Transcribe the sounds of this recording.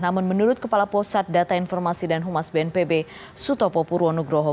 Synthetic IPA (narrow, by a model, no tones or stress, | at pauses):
namʊnmənuɾʊt̪̚kəpalapɔsat̪̚dat̪ainfɔrmasidanɦumasbeɛnpebe | sut̪ɔpɔpuɾuɔnuɡɾɔɦɔ